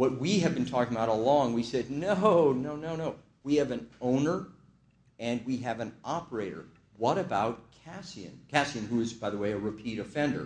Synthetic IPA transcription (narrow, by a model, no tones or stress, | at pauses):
wʌt̚wiɨvbɨ̃n̩tʰɔkɪ̃ŋəbaʊɾəlɔ̃ŋwisɛdⁿnoʊnoʊnoʊnoʊ | wiɨvɨ̃nõʊ̃nə˞ | ɨ̃nwiɨvɨ̃nɑpə˞eɪɾə̰˞ | wʌɾɨbaʊt̚kʰæsiɨ̰̃nkʰæsiɨ̃nhuɨzbaɪðəweɪɨɹɨpʰiɾɨfɛ̃ndə̰˞